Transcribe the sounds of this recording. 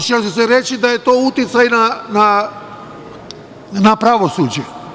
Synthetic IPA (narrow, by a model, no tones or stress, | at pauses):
t͡ʃesseɾet͡ʃid̪ajet̪o̞ːut̪jit̪sajnana | napɾaʋosuːd͡ʒe